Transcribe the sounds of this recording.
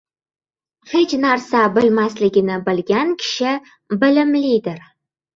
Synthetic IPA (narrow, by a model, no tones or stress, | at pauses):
χet͡ʃnarsabɨlmaslɪɡʲɪnɪbɨlɡʲankʲʰɪ̥ʃɪ | bɪlɪmlid̪ɪr